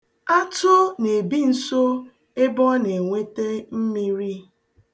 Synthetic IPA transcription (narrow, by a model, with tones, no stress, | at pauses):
a˦tʊ˦ne˨bi˦n̩˨so˦ | e˦bɔ˦ne˨ŋʷe˦te˦m̩˦mi˦ɾi˦